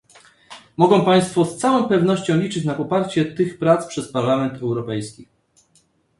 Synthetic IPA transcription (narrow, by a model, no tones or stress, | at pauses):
mɔɡɔ̃w̃paj̃st̪fɔst̪sawɔ̃w̃pɛvn̪ɔɕt͡ɕɔ̃w̃lʲit͡ʂɘt͡ɕnapɔpaɾt͡ɕɛt̪ɘxpɾat̪spʂɛspaɾlamɛnt̪ɛwɾɔpɛjskʲi